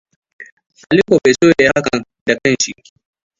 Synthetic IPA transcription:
ʔa˨liː˦kʷo˨be˨soː˦je˨˦ha˦kɐ˨n | da˨kɐ˦˨nʃi˦

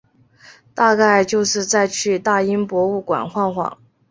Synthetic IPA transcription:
t̪a˥˧ka˥˧ɪt͡ɕjo˥˧ʊʂɻ̩˥˧t͡sa˥˧ɪt͡ɕʰy˥˧t̪a˥˩i˥npwɔ˧˥u˥˩kwa̰˨˩nxwa˥˧nxwɑ̰˨˩˦ŋ

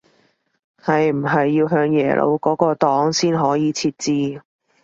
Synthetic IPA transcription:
hɐ˨jm̩˨˩ɦɐ˨jːiː˧wɦœː˧ŋjɛ̰ː˨˩lʔo̰˨˧wkɔː˨˥kɔː˧t̪ɔː˨˥ŋsiː˥nɦɔː˨˥jiː˨˧t͡sʰiː˧t̚t͡siː˧

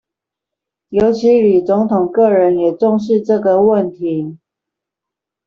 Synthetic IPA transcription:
jo˧˥ʊt͡ɕʰi˨˦li˨˩t͡sʊ˧˥ŋt̪ʰʊ˨˩ŋkɤ˥˩ɻə˧˦njɛ˨˩ʈ͡ʂɔ˥˧ŋʂɻ̩˥˧ʈ͡ʂɤ˥˨ɡə˨wə˥˨nt̪ʰi˨˦

